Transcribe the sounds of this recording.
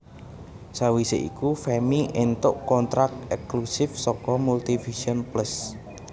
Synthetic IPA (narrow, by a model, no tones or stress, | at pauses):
sawiseʔḭkufɛmiʔent̪ʊʔkɔnt̪ɾak̚t̪ɛkklusɪfsɔkɔmult̪ifiʃiɔnplas